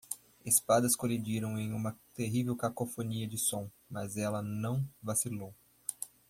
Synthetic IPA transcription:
espad̪ɐskolid͡ʒiɾɐ̃w̃ẽj̃ũmɐt̪eɦivewkakofoniɐd͡ʒɪsõ | mɐzɛlɐnɐ̃w̃vasilow

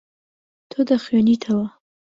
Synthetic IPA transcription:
t̪ʰod̪axjɔnit̪ʰawa

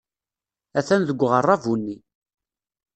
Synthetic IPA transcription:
æθænðəɡʷːʁərˤːɑvunːi

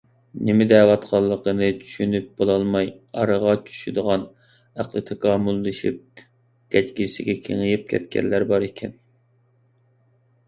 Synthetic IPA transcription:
nɪmɪd̪ɛwɑt̪qʰɑlˠːəqənɨt͡ʃʰy̥ʃynyp̚b̥olˠɑlˠmɑjɑɾəʁɑt͡ʃʰy̥ʃyd̪əʁɑn | æqlˠɨt̪ʰekɑːmulˠːɨʃḭp̚ | ɡ̥ʲɛt͡ʃkʲisɪɡʲɛkʲʰḛŋɨjip̚kʲʰɛ̰t̪̚kʲɛ̰nlːæɾbɑɾikʲʰɛn

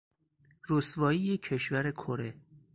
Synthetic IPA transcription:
ɾosvɒːijecʰe̞ʃvæɾe̞kʰoɾe̞

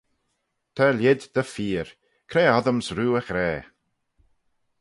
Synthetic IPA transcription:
t̪ʰaljɪd̪d̪əfiːɹ | kʰɾɛːaðəmsɾuːəxɾɛː

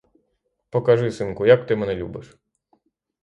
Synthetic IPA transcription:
pɔkɐʐɪsɨnkʊjɐkt̪ɪmɛnɛlʲṵbɪʂ

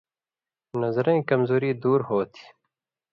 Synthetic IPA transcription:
nɐzɾẽːkɐmzoːɾiːd̪uːɾhoːt̪ʰi̥

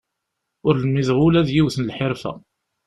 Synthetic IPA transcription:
ʊɾlmiðʁʊlæðjiwθnlħɪɾfæ̰

